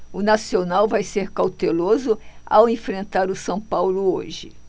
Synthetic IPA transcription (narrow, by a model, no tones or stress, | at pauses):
ʊnasionawvajseɾkawt̪elozʊa̰wẽfɾẽnt̪aɾʊsɐ̃w̃pawlʊo̰ʒɪ